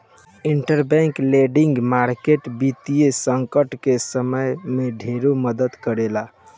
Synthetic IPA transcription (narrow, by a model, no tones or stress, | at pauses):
iɳʈəɾbɛŋkleɖiŋɡmaɾkeʈbit̪ijesəŋkəʈkesəməjmeɖʱeɾuməd̪əd̪kəɾela